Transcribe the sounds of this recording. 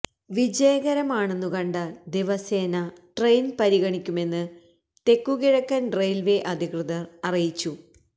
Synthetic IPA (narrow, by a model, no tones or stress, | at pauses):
ʋid͡ʑejɣɐɾɐmaːɳenːukɐɳɖɨd̪iʋɐseːnɐʈrejnpɐɾiɣɐɳikʲːume̞nːɨ | t̪e̞kːuɣiɻɐkːɐnɖrejlʋeʔɐd̪ʱikrɨðɐrɐrijit͡ɕːu